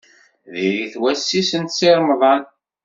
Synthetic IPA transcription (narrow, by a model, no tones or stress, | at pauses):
ðiɾiθwæsːisənt̪siɾˤmðˤɑn